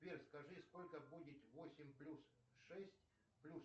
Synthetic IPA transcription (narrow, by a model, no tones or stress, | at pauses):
erʲskɐʐɨskolʲkəbudʲɪt̪vosʲɪmʲplʲus | ʂɛsʲtʲ | plʲus